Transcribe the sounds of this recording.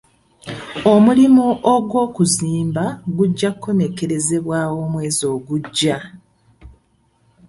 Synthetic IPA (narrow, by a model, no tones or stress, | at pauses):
o̞mulimuʔoɡwo̞ːkuziːmbaɡuɟːakʰːo̞ne̞ke̞ɾe̞ze̞βwaːwo̞mwe̞ːzo̞ːɡuɟːa